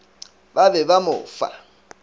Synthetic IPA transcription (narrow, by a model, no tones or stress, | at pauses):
babɛbamʊ̰ːfa̰